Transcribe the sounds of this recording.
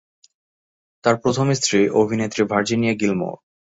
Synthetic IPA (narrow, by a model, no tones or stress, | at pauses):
t̪aɾpɾot̪ʰomist̪ɾiʔobʱinet̪ːɾibʱaɾd͡ʑinijaɡilmo̰